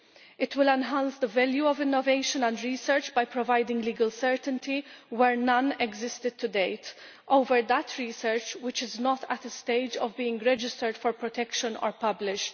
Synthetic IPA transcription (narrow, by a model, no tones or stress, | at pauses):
ɪt̪ʰwɪlɛ̃nɦãnsd̪əvɛljuɔvɪ̃nːɔveɪʃə̃nɛ̃ndɹiːsɛɹt͡ʃbajpɾɔvaɪdɪ̃ŋɡliːɡəlsɛɹt̪ə̃nt̪ʰiwɛɹnɐ̃nɛɡzɪst̪ɪd̪̚t̪ʰud̪eɪt̪ | ʔoʊvəɹd̪ətʰɹiːsəɹt͡ʃwɪt͡ʃɪznɔt̪ʰæt̪əst̪eɪd͡ʒɔvbiːɪ̃ŋɡɾɛd͡ʒɪstəɹd̥fɔɹpɹɔt̪ʰɛkʃə̃nɔ̰ːɹpʌblɪʃt